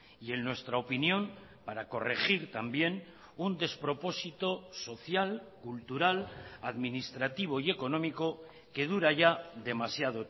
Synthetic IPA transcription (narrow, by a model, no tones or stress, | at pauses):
ie̞nnwe̞st̪ɾaopinjõ̞mpaɾako̞re̞xiɾt̪ambje̞n | und̪e̞spɾo̞po̞sit̪o̞so̞θjalkult̪uɾalaðminist̪ɾat̪iβ̞o̞ie̞ko̞no̞miko̞ | ke̞ð̞uɾaʝaðe̞masjaðo